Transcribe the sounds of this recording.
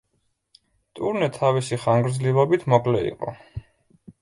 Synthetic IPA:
t̪ʼuɾnɛt̪ʰavisiχaŋɡɾd̪zlivabit̪ʰmɔkʼlɛḭqʼɔ̰

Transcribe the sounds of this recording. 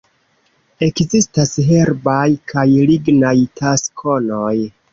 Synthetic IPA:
e̞kzistasɦe̞ɾbajkʰajliɡnajtʰaskʰo̞noj

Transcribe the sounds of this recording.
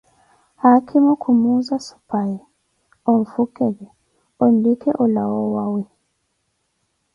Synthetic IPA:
hakʰimukʰumuzasu̥pajɛ | ɔɱ̩fukɛɡɛ | ɔn̩dikɛʔɔlawɔwawɛ

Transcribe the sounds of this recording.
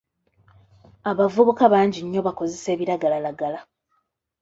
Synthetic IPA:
aβavuβukaβaːɲɟiɲːo̞βako̞ze̞se̞ːβiɾaɡalalaɡala

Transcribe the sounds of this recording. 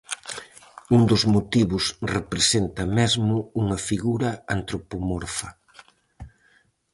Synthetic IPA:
und̪ʊzmot̪iβʊsrepɾesent̪ɐmɛzmʊuŋɐfiɣuɾɐant̪ɾopomɔɾfɐ

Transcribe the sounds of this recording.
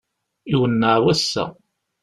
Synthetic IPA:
iwənːaʕwæsːæ̰

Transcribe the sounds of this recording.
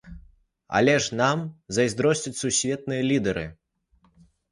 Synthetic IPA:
a̰lʲɛʂnamzɐjzd̪ɾɔsʲt͡sʲɐt͡sʲsusʲvʲɛt̪̚nɨjɐlʲid̪ɛɾɨ

